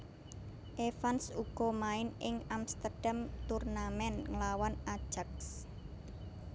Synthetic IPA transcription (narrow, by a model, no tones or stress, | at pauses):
ʔefansuɡ̥ɔ̤maɪnɪŋamst̪ərɖ̥amt̪urnamɛnŋəlawanad̥ʒ̥ak̚s